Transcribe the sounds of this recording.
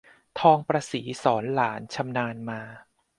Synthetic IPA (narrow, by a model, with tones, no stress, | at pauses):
t̪ʰɔː˧ŋpɾaː˧siː˩˦sɔː˩˦nlaː˩˦nt͡ɕʰa˧mnaː˧nmaː˧